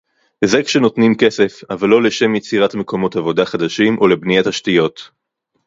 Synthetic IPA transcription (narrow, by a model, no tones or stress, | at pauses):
zekʃeno̞tnimke̞se̞favalːo̞leʃe̞mjet͡siʁatme̞ko̞mo̞tavo̞daχad̪aʃimʔo̞lebnijataʃtijo̞t̪